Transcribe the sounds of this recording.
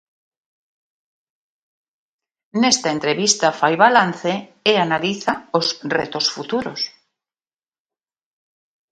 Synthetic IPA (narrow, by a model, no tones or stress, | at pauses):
nest̪aent̪ɾeβist̪afajβalan̟θeeanaliθaosrḛt̪osfut̪uɾo̰s